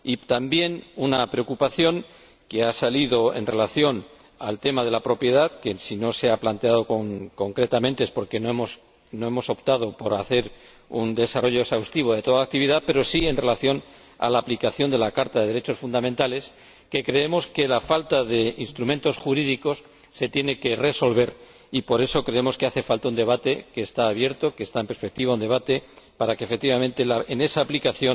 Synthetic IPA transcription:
it̪ambje̞nunapɾe̞o̞kupaθjo̞ŋ | ke̞asaliðo̞e̞̰nre̞laθjo̞n | alt̪e̞maðe̞lapɾo̞pje̞ð̞aðke̞sino̞seaplant̪e̞aðo̞koŋko̞ŋkɾe̞t̪amẽ̞nt̪eespo̞ɾke̞noemos | no̞e̞mo̞so̞pt̪að̞o̞po̞ɾaθe̞ɾ | und̪e̞saro̞ʝo̞eksawst̪iβo̞ð̞e̞t̪o̞ðaak̚t̪iβiðaðpe̞ɾo̞sie̞nre̞laθjo̞n | a̰laːplikaθjo̞nd̪e̞lakaɾt̪aðe̞ðeɾe̞t͡ʃo̞sfund̪amẽnt̪ale̞s | ke̞kɾe̞e̞mo̞ske̞lafalt̪aðe̞inst̪ɾumẽnt̪o̞sxuɾiðiko̞sː | e̞t̪je̞ne̞ke̞re̞so̞lβe̞ɾ | ipo̞ɾe̞so̞kɾe̞emo̞ske̞aθe̞falt̪aund̪e̞β̞at̪e̞ke̞ːst̪aːβje̞ɾt̪okeːst̪aempe̞ɾspe̞k̚t̪iβaund̪e̞βat̪e̞paɾakefe̞k̚t̪iβament̪e̞laene̞saːplikaθjo̞n

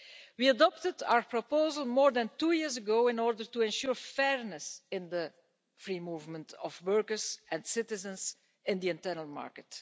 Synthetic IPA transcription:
wiadɔp̚təda̰ʊəɹpɹɔpoʊzəlˠmɔːɹd̪ɛ̃ntuːjɪɹzəɡoʊɪ̃nɔɹdəɹtuɛ̃nʃuːɹfɛɹnəsɪ̃nd̪ə | fɹiːmuːvmə̃ntʰɔfwɜɹkəɹzɛ̃nsɪtɪzə̃ns | ɪ̃nd̪iɪ̃ntɜɹnəlˠma̰ɹkət

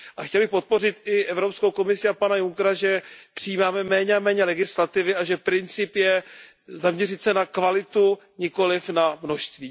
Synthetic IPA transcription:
ʔaxcɛlbɪxpo̞t̪̚po̞rɪt̪ɪʔɛvɾo̞pskowko̞mɪsɪapanajuŋkɾaʒɛpr̥ɪjiːmaːmɛmɛːɲɛamɛːɲɛlɛɡɪslat̪ɪvɪaʒɛpɾɪnt͡sɪpjɛ | zamɲɛrɪt̪sɛnakvalɪt̪u | ɲɪko̞lɪfnamno̞ʃst̪viː

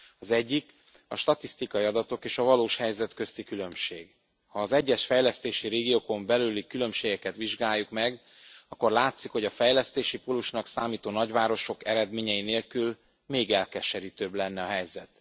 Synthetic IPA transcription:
ɒzɛɟːik | ɒʃt̪ɒt̪ist̪ikɒjiɒd̪ɒt̪o̞keːʃɒvɒloːʃhɛjzɛt̪køst̪ikylø̞mʃeːɡ | hɒːzɛɟːɛʃfɛjlɛst̪eːʃiɾeːɡioːko̞mbɛlylikylø̞mʃeːɡɛkɛt̪ʋiʒɡaːjːukmɛɡ | ɒkːo̞rlaːt̪sikho̞ɟɒfɛjlɛst̪eːʃipoluʃnɒksaːmiːt̪oːnɒɟvaːɾo̞ʃo̞kɛɾɛd̪meːɲɛjineːlkyl | meːɡɛlkɛʃɛɾiːt̪øːblɛnːɛɒɦɛjzɛt̪

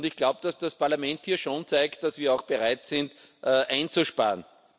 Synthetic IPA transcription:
ndɪçɡ̥laʊbəd̥asd̥aspʰaɐlamɛ̃nthiːɐʃoːnt͡saɪkt̚d̥asviːɐɑʊxb̥əʁaɪtsɪnt | ʔəʔãɪnt͡suʃpa̰ːɐn

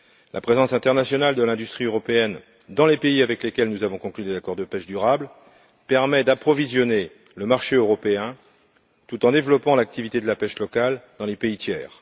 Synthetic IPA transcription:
lʔa̰pχezɑ̃sɛ̃t̪ɛʁnasjɔnald̪əlɛ̃d̪yst̪χiøʁɔpeɛn | d̪ɑ̃lepeiavɛklekʲɛlnuzavɔ̃kɔ̃klyd̪ezakɔʁd̪əpɛʃd̪yʁabl | pɛʁmɛd̪apχɔvizjɔne | ləmaʁʃeøʁɔpeɛ̃ | t̪ut̪ɑ̃d̪evlɔpɑ̃lak̚t̪ivit̪ed̪əlapɛʃlɔkald̪ɑ̃lepeit̪jɛːʁ

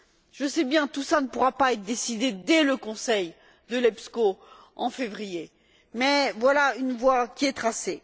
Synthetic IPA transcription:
ʒ̥əsɛbjɛ̃t̪usanəpuʁapaɛt̪χd̪esid̪ed̪ɛləkɔ̃sɛj | d̪əlɛpsko | ɑ̃fevʁije | mɛvwalaynvwakʲiɛt̪χase

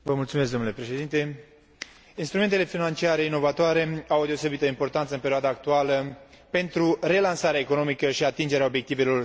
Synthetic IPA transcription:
vəmultsumes̬ɡd̪onule̞pɾe̞ʃe̞d̪int̪e̞ | inst̪ɾume̞nt̪ele̞finant͡ʃiaɾe̞ino̞vat̪oaɾe̞awd̪e̞ose̞bit̪əimpo̞rt̪ant̪səɨmpe̞ɾioad̪aːk̚t̪ualə | pe̞nt̪ɾure̞lansaɾeaeko̞no̞mikəʃiat̪ind͡ʒe̞ɾeaobje̞kt̪ive̞lo̞

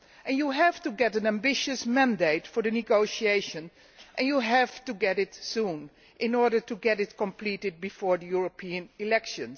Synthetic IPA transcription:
ʔɛ̃njuɦævtuɡɛɾɨ̃næ̃mbɪʃɨsmæ̃ndeɪtfɔɹðɨnɪɡoʊʃieɪʃə̃n | ʔɛ̃njuɦæv̥tuɡɛɾɪtsũn | ʔɪ̃nɔɹdə˞tuɡɛɾɪtkə̃mplitɪd̚bifɔːɹdəjuɹopʰiɨ̃nɪlɛkʃə̃ns

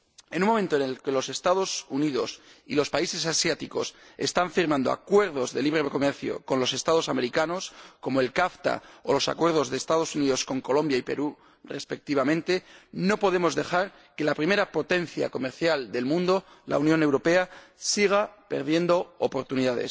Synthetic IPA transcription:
e̞nũmo̞mẽ̞nt̪oene̞lke̞lo̞se̞st̪aðo̞suniðo̞̰sḭlo̞spaise̞s̬asjat̪iko̞̰sest̪aɱfiɾmãnd̪o̞̰a̰kwe̞ɾð̞o̞zðe̞liβɾe̞βeko̞meɾθjo̞̰konlo̞se̞st̪að̞o̞same̞ɾikano̞sko̞moe̞lkaft̪a̰olo̞sa̰kwe̞ɾð̞o̞zðeːst̪aðo̞suniðo̞sko̞ŋko̞lõ̞mbjaipe̞̰ɾu | re̞spe̞k̚t̪iβamẽ̞nt̪e̞no̞po̞ð̞e̞mo̞zðe̞xaɾ | ke̞lapɾime̞ɾapo̞t̪e̞n̟θja̰ko̞me̞ɾθjald̪e̞lmũnd̪o̞ | la̰unjõ̞newɾo̞pe̞asiɣ̞ape̞̰ɾð̞je̞nd̪o̞opo̞ɾt̪uniðaðe̞̰s

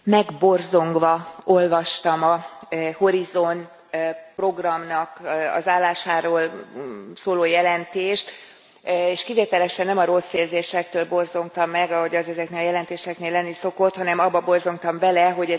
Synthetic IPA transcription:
mɛɡbo̞rzo̞ŋɡʋɒo̞lvɒʃt̪ɒmɒho̞ɾizo̞n | pro̞ɡrɒmnɒkɒ̰zaːlːaːʃaːɾoːl | soːloːjɛlɛnt̪eːʃt̪ | eːʃkiveːt̪ɛlɛʃɛnːɛmɒɾo̞sːeːlzeːʃɛk̚t̪øːlbo̞rzo̞ŋt̪ɒmːɛɡɒɦo̞ɟɒzɛzɛkneːlɒjɛlɛnt̪eːʃɛkneːlːɛnːiso̞ko̞t̪hɒnɛmɒbːɒbo̞rzo̞ŋkt̪ɒmvɛlɛɦo̞ɟɛ

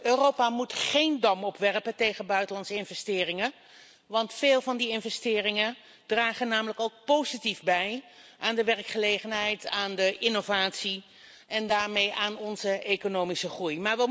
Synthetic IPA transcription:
øːrowpaːmutχejndɑmɔpʋɛrpəntejχənbœɥtəlɑnsɪnvɛstɪːrɪŋə | ʋɑntfeːlˠvɑndiɪnvɛstɪːrɪŋə | draːχənaːmələkowk̚powzitivbɛj | ʔaːndəʋɛrkχəlejχənɦɛjtaːndəʔɪnovaːtsi | ɛndaːɹmejʔaːnɔnzəʔekonowmisəχrujmaːɹʋə

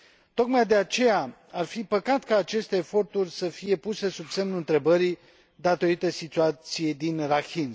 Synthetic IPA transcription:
t̪o̞kmajd̪e̞at͡ʃe̞ja | arfipəkat̪kaːt͡ʃe̞st̪e̞ːfo̞rt̪urʲsəfije̞puse̞subse̞mnuɨnt̪ɾe̞bəɾi | d̪at̪o̞ɾit̪əsit̪uat̪sije̞jd̪inrakin

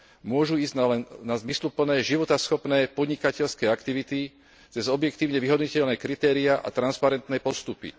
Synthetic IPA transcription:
mʊɔʒuiːzɟalɛnnazmislupl̩nɛːʒiʋɔt̪asxɔpnɛːpɔd̪ɲikacɛʎskɛːakt̪iʋit̪i | t͡sɛzɔbjɛkt̪iːʊɲɛʋiɦɔd̪ɲucɛʎnɛːkɾit̪ɛːɾiaʔa̰t̪ɾanspaɾɛnt̪nɛpɔst̪upḭ

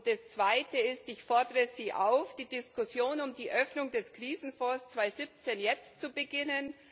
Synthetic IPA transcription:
d̥asst͡sv̥aɪtəɪstɪçfɔɐdəʁəziːʔa̰ʊfd̥iːdɪskʊsjoːnʊmdiːʔœfnʊŋdɛskʁ̥iːzn̩fɔɐst͡sv̥aɪzɪp̚t͡senjɛt͡stt͡subəɡɪnən

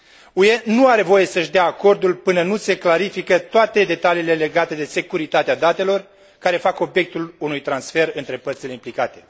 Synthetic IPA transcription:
ue̞nuaɾe̞vo̞je̞səʃd̪eaːko̞rd̪ulpɨnənuse̞klaɾifikət̪oat̪e̞d̪e̞t̪aliːle̞le̞ɡat̪e̞d̪e̞se̞kuɾit̪at̪ead̪at̪e̞lo̞r | kaɾe̞fako̞bje̞k̚t̪ulunujt̪ɾansfe̞rɨnt̪ɾe̞pərt̪sile̞implikat̪e̞̥

